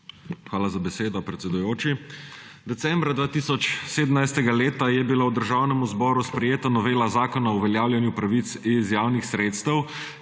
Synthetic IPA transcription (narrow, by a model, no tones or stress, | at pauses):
xʋaːlazabɛseːd̪ɔpɾɛt̪sɛd̪ujoːt͡ʃid̪ɛt̪sɛmbɾad̪ʋaːt̪iːsɔt͡ʃseːd̪əmnajst̪ɛɡaleːt̪ajɛbilawd̪əɾʒaːwnɛmuzbɔːɾuspɾɛjeːt̪anɔʋeːlazaːkɔnauʋɛljaːwlʲjɛnjupɾaʋit̪sizjaːwnixsɾeːt̪st̪əw